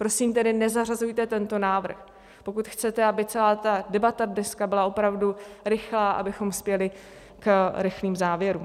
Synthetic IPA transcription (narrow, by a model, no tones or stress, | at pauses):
pɾo̞siːmt̪ɛdɪnɛzarazujt̪ɛt̪ɛnt̪o̞naːvr̩x | po̞kut̪xt͡sɛt̪ɛabɪt͡sɛlaːt̪adɛbat̪adnɛskabɪlao̞pɾavduɾɪxlaːʔa̰bɪxo̞mspjɛlɪ | kɾɪxliːmzaːvjɛɾuːm